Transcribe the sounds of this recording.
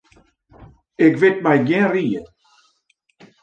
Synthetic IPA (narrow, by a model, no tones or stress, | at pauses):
ɪkvɪt̚majɡɛ̃nriːə